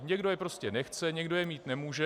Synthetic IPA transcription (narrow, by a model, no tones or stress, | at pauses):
ɲɛɡdojɛpɾo̞scɛnɛxt͡sɛɲɛɡdo̞jɛmiːt̪nɛmuːʒɛ